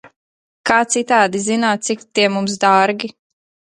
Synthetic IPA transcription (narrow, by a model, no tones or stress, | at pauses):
kaːt̪sit̪aːd̪izinaːt̪t̪sikt̪iɛmums̬d̪aːɾɡʲi